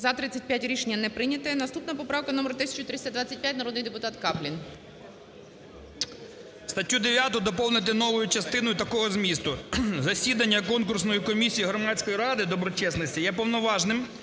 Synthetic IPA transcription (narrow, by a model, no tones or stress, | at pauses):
zɐt̪ɾɪt͡sʲɐt̚ʲpʲjatʲɾʲiʃenʲːɐnɛpɾɪnʲɐt̪ɛnɐst̪upnɐpɔpɾɑwkɐnɔmeɾt̪ɪsʲɪ̥t͡ʃʊt̪ɾɪsʲɐd̪ʋɑt͡sʲːɐt̚ʲpʲjat̚ʲnɐɾɔd̪nɪjd̪epʊt̪ɑt̪kɑplʲin | st̪ɐtʲːud̪eʋʲjat̪ʊd̪ɔpɔlˠnɪt̪̬ɪnɔʋʊjʊt͡ʃɐst̪ɪnɔjʊt̪ɐkɔɦɔzmʲist̪ʊzɐsʲid̪ɐnʲːɐkɔnkʊrsnɔjikɔmʲisʲijiɦɾɔmɑt͡sʲkɔjiɾɑd̪ɪd̪ɔbɾɔt͡ʃɛsnɐsʲtʲijɛpɔʋnɔʋɑʒnɪm